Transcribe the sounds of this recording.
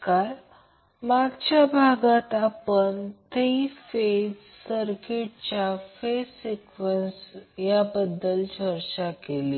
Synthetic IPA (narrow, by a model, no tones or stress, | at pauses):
kal | maɡt͡ɕjabʱaɡat̪apənt̪eifed͡ʑ | səɾkeʈ̚t͡ɕjafesikʋənsjabəd̪ːəlt͡ɕəɾɕakeliː